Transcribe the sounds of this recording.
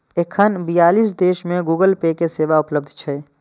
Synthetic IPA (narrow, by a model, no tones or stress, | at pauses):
ekʰənbijaːlis̬d̪eʃmẽɡuːɡəlpekeseːʋaʊpləb̚d̪ʱt͡ʃʰɛ